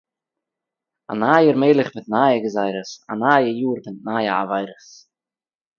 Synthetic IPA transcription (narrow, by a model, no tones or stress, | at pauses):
a̰naːjəɾmeːlˠɪχmɪt̪̚naːjəɡəzaɪɾəsa̰naːjəjuːɾdənnaːjəa̰vaɪɾəs